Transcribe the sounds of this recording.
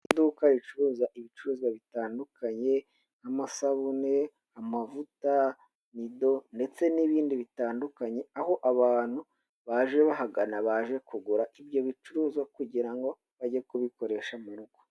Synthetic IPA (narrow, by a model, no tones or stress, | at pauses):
iduːkajit͡ʃuɾuːzaʔiβit͡ʃuɾuːzwaβitaːndukʰaɲe̞ | amasaβune̞ | amavuta | nido̞nde̞t͡se̞niβiːndiβitaːndukaɲe̞aho̞ʔaβaːn̥hu | βaʒe̞βaɦaɡanaβaʒe̞kuɡuɾaʔibjo̞βit͡ʃuɾuːzwakuɟiɾaŋɡo̞ | βaɟekuβiko̞ɾe̞ʃamaɾuko̥